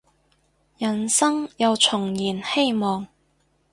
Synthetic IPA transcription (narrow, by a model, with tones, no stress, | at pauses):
jɐ˨˩nsɐ˥ŋjɐ˨˧wt͡ʃʰʊ˨˩ŋjiː˨˩nhe˥jmɔː˨ŋ